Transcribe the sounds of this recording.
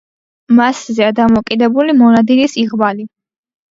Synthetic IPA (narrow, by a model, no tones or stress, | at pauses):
maszɛad̪amɔkʼid̪ɛbulimɔnad̪ilisiʁbali